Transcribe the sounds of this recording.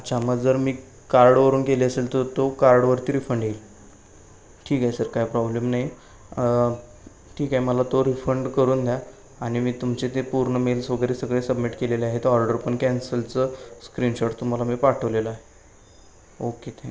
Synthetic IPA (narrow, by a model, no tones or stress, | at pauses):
at͡ɕaməɡd͡zəɾmiː | kaɾɖʋəɾuːnkeleəselt̪ət̪okaɾɖʋəɾt̪iːɾifəɳɖɦel | ʈʰiːkaɦjsəɾkaɦipɾɔblemnaɦj | ʈʰiːkaɦeməlat̪oɾifəɳɖkəɾuːnd̪ʱja | aɽ̃imiːt̪umt͡ɕet̪epuɾɳəmelsəɡɾesəɡɭesəbmiʈkeleleaɦet̪ɔɾɖəɾpəɳkænsəlt͡səskɾinɕoʈt̪um̤alamiːpaʈʰəʋleləaɦe | oket̪ʰe